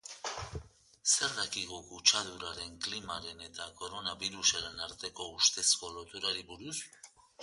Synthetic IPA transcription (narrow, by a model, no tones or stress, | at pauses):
se̞ɾðakiɣokut͡ʃaðuɾaɾe̞ŋklimaɾe̞ne̞t̪ako̞ɾo̞naβiɾusaɾenaɾt̪e̞ko̞ust̪e̞sko̞lot̪uɾaɾiβuɾus